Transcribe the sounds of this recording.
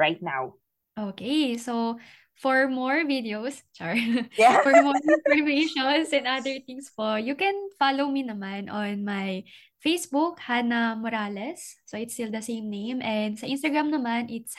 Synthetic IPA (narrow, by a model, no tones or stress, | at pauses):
ɹaɪt̪̚na̰w | ʔoːkejso | fɔɹmɔɹvid̪ɛowst͡ʃaɹɛfɔɹmɔɹɪ̃nfɔɹmeɪʃɔnsɛ̃nd̪ad̪ɛɹt̪ɪ̃ŋspojukɛnfalowminɐmanʔɔnmaj | fejsbʊkhanɐmɔɾaːlɛsːoɪt̪st̪ild̪ɐsẽɪmnẽjmʔɛnd̪sɐʔɪ̃nst̪ɐɡɹamnɐmanʔɪt̪s